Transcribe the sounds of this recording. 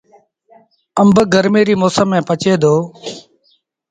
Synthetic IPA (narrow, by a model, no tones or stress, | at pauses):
əmbəɡəɾmeːɾiːmoːsəmːẽːpət͡ʃeːd̪ʱoː